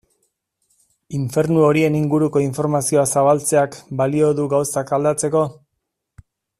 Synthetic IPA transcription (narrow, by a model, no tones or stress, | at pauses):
iɱfe̞ɾnuo̞ɾie̞niŋɡuɾuko̞iɱfo̞ɾmasioasaβalt͡se̞akbalio̞ðuɡawsakald̪at͡se̞ko̞